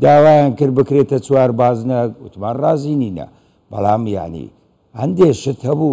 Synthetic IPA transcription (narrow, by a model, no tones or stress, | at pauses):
d̪aːwaːjaːnkɨɾbɨkɾeːt̪ɐt͡swaːɾbaːznɐut̪ʰmaːnrɑːziːniːnɐ̰ | b̥ɐ̰laːmja̰ʕnḭ | hɐnd̪eʃɪt̪hɐbuː